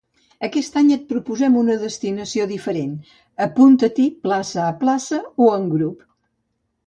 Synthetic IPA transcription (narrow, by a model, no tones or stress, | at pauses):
əkɛst̪aɲət̪̚pɾupuzɛmunəðəst̪inəsioðifəɾen | əpunt̪ət̪iplasəːplasəoəŋɡɾup